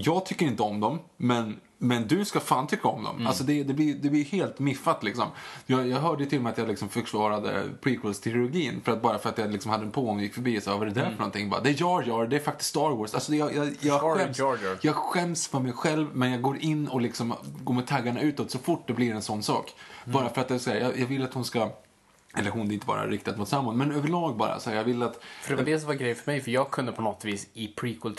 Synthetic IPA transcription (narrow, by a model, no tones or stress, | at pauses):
jɑːɡt̪ʰʏkːəɾɪnt̪əɔmd̪ɔmːɛn | mɛnd̪ɵskafaːnt̪ʰʏkːaɔ̰md̪ɔ̰malsɔd̪ɛd̪ɛblɪjd̪ɛblɪjɵheːlt̪mɪfːat̪lɪksɔ̰mjɑjɑːɦœːɖəjət̪ʰɪlɔmɛat̪jɑlɪksɔmfœɾkʰlɑːɾad̪ə̰pʰiːkʰwʊlst̪ʰɾɪʊɡiːnfœɾat̪̚bɑːɾafœɾat̪jɑlɪksɔmhad̪ːəɛnpʰoːɔmjɪkːfœɾbiːɛsɛvavaɾɛɾɛd̪æɾfœɳɔnt̪ʰɪŋːbɑ̰ːɾad̪ɛjɑːjœːɾd̪ɛæɾfak̚t̪ɪ̥sk̪st̪ɑːɾwɔːsalsɔd̪ɛjɑjɑjɑɛmjjɑɡɧɛmsfœɾmɛjɧɛlvmɛnjɑːɡɡoːɾʔɪnːɔlɪksɔmɡoːɾmɛt̪ʰaɡːaɳaʉ̟ːt̪ɔt̪sɔfʊʈːd̪ɛblɪɾɛnsɔnːsɑ̰ːkbɑːɾafœɾat̪̚d̪ɛsɔhæːɾjɑjɑɡvɪlːat̪hʊnska | ʔɛ̰lːəɾɦʊnd̪ɪnt̪əvɑ̰ːɾa̰ɾɪkt̪ʰad̪mʊt̪samːʊnmɛnøːvəɭɑːɡ̚bɑ̰ːɾa̰sɔhæːɾjɑːɡvɪlːat̪fəɾdɛvad̪ɛs̬ɔmvaɾɡɾɛjənfœmɛjfœɾjɑːɡ̚kʰɵnd̪əpʰɔnɔt̪viːsɪpʰɾiːkʰɵlt̪